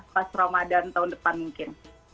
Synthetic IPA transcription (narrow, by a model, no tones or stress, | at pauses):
pasɾamadant̪aundəpanmuŋkɪn